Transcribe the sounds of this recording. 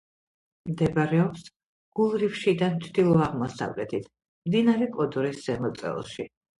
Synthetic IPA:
md̪ɛbɾɛɔps | ɡ̥ulˠɾifʃid̪ant͡ʃʰd̪̥ilˠɔaʁmɔsa̰vlɛt̪ʰit̪ʰ | md̪inaɾɛkʼɔd̪ɔɾisz̥ɛmɔt̪sʼɛ̰lˠʃi

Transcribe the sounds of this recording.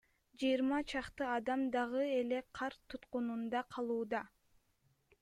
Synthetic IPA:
d͡ʒɯjɾmɑt͡ʃʰɑqt̪ɯɑd̪ɑmd̪ɑʁɯe̞le̞qʰɑɾt̪ʰut̪qunund̪ɑqʰɑlˠuːd̪ɑ

